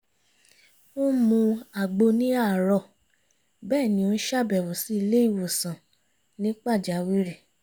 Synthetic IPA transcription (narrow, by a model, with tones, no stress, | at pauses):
o˦mũ˧a˨ɡ͡bo˧nĩ˦a˦˨ɾɔ˧˨ | bɛː˦˨nĩ˧˦o˧˦ʃa˦˨bɛ˨wo˨si˨˦i˧le˦i˦˨wo˨sã˨ | nĩ˦k͡pa˦˨d͡ʒa˨˦wi˦ɾi˦˨